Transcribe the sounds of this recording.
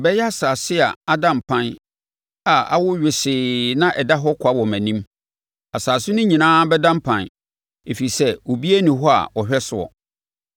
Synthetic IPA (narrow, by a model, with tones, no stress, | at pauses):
bɛ˦jɛ˦a˦saː˨sɪ˦a̰˨a˦dã˨mpʰã˦n | a˨a̰˦wʊ˦ɥᶣɪ˨sɪː˨nã˦ʔɛ˨da˦ɦɔ˦kʰa˦wɔ˨mæ̃˨nĩ˦m | a˨saː˨sʊ˦nʊ̃˦ɲĩ˨nãː˦bɛ˦dã˦m˦pʰã˨n | e˨fi˨i˨sɛ˦o˨bi˦æ˦nĩ˨ɦɔ˦a̰˨ɔ˨ɕᶣɛ˦sʊ˨ɔ̰˨